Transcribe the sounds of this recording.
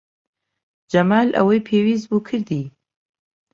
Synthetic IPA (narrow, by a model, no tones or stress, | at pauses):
d͡ʒamalʔa̰wajpʰewizbukʰɨɾd̪i